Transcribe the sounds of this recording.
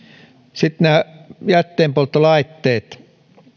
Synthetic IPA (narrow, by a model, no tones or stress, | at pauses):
sit̪næːjæt̪ːeːmpolt̪ːolɑit̪ːeːt̪